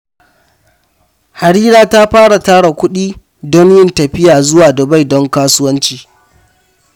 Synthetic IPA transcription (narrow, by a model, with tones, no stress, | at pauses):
ha˨ɽiː˦ɾaː˦ta˦ɸaː˦ɽa˨taː˦ɽa˨kʷʊ˦ɗiː˦ | dɔ˦njɪ˦ntɐ˨ɸɪ˦jaː˨zʊ˦waː˨dɐ˨ba˦˨jdɔ˦ŋkaː˦sʊ˦wɐ˦nt͡ʃiː˨